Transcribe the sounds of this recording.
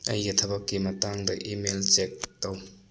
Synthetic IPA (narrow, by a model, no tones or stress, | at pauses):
ɐ̰jːɐtʰɐbɐkːimɐtaŋdɐ̰ʔimelt͡ʃek̚tɐw